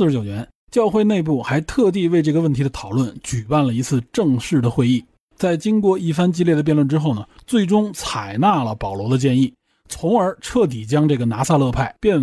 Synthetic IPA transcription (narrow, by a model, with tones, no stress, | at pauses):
ɻ̩˧˥t͡ɕjo˨˩ʊɥɛ˧˥n | t͡ɕjɑ˥˧ʊxwe˥˧ɪne˥˧ɪp̬u˥˩xa˧˥ɪt̪ʰɤ˥˧t̪̬i˥˧we˥˧ɪʈ͡ʂɤ˥˩ɡə˩˧wə˥˩nt̪ʰi˧˥ə˧t̪ʰɑ˨˩ʊlwə˥˩nt͡ɕy˨˩pa˥˩nlə˩i˧˥t͡sʰɹ̩˥˧ʈ͡ʂɤ˥˧ŋʂɻ̩˥˩d̪ə˩xwe˥˧ɪi˥˩ | t͡sa˥˩ɪt͡ɕi˥ŋkwɔ˥˧i˥˩fa˥nt͡ɕi˥˧ljɛ˥˩d̪ə˩pjɛ˥˧nlwə˥˩nʈ͡ʂɻ̩˥xo˥˩ʊnə˩t͡swe˥˩ɪʈ͡ʂʊ˥ŋt͡sʰa˨˩ɪna˥˩lə˩pɑ˨˩ʊlwɔ˧˥d̪ə˧t͡ɕjɛ˥˧ni˥˩ | t͡sʰʊ˧˥ŋə˞˧˥ʈ͡ʂʰɤ˥˩t̪̬i˨˩t͡ɕjɑ˥ŋʈ͡ʂɤ˥˩ɡə˩na˧˥sa˥˧lɤ˥˧pʰa˥˩ɪpjɛ˥˩n